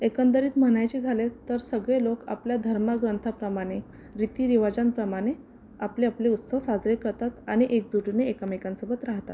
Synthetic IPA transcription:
ekənd̪əɾiːt̪m̤əɽ̃ajt͡ɕid͡zʱalet̪əɾsəɡɭeloka̰pljad̪ʱəɾmaɡɾənt̪ʰapɾəmaɽ̃e | ɾit̪iːɾiʋad͡zampɾəmaɽ̃e | apleapleut̪səʋsad͡zɾekəɾt̪at̪aɽ̃iʔek̚d͡zuʈineekamikãnsəbət̪ɾaɦt̪a̰t̪

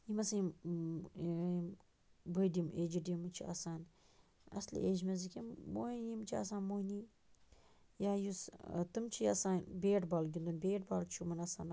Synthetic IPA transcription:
imɐsɐm | bɨjɖimʔeːd͡ʒiɖimɨt͡ʃʰiɐ̰saːn | ɐ̰slḭeːd͡ʒmezikimːoːinimt͡ʃʰia̰ːsaːnmoːni | jaːjust̪ɨmt͡ʃʰijɐ̰saːnbeːʈbaːlɡʲind̪unbeːʈbaːlt͡ʃʰumɐnɐsa̰ːn

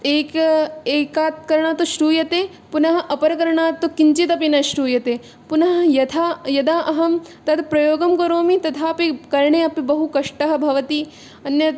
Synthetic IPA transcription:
eːkɐeːkaːt̪̚kɐɾɐɳaːt̪uʃɾuːjɐt̪eː | punɐɦɐ̆ʔɐpɐɾɐkɐɾɐɳaːt̪ːukiɲt͡ʃit̪ɐpinɐʃɾuːjɐt̪eː | punɐɦɐ̆jɐt̪ʰaːjɐd̪aːʔɐɦɐmt̪ɐt̪pɾɐjoːɡɐmkɐɾoːmit̪ɐt̪ʰaːɐpikɐɾɳeːɐpibɐɦukɐʂʈɐɦɐ̆bʱɐʋɐt̪i | ɐnjɐ

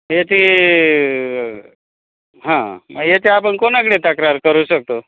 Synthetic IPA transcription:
jet̪i | ɦãməɡjet̪eapəɳkonak̬əɽet̪əkɾaɾkəɾuːɕək̚t̪o

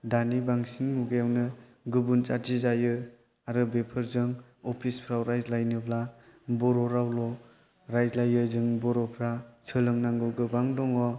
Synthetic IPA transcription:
danibaŋsinmuɡɯjawnɯ | ɡɯbunt͡ʃatʰizajɯ | aɾɯbepʰɯɾzɯŋɔpʰispʰɾawɾajzlajnɯplabɔɾɔɾawlɔ | ɾajzlajɯzɯŋbɔɾɔpʰɾasʰɯlɯŋnaŋɡɯɡɯbaŋdɔŋɔ

